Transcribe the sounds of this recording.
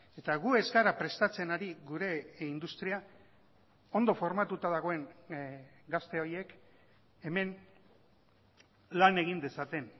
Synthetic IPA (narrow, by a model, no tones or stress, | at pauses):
e̞t̪aɣuezɡaɾapɾe̞st̪at͡se̞naɾiɣuɾe̞ind̪ust̪ɾia | o̞nd̪o̞fo̞ɾmat̪ut̪að̞aɣ̞o̞e̞ŋ | ɡast̪e̞o̞je̞k | e̞me̞n | lane̞ɣ̞ind̪e̞sat̪e̞n